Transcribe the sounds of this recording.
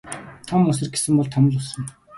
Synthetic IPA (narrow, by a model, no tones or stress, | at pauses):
t̪ʰɔmʊs̬ɘ̆rɡe̥sɘ̆mpɔɮt̪ʰɔmə̆ɮʊsə̆ŋ